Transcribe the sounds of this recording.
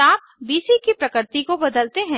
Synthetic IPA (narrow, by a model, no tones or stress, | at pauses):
aːp̚ | biːsikipɾɐkəɾt̪ikobɐd̪əlt̪eɦɛ̃